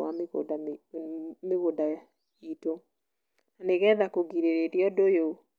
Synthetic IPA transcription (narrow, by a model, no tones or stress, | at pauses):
aɣoda | meɣoda | ito | naneɣɛðakoɣiɾeɾeɾeɔdojo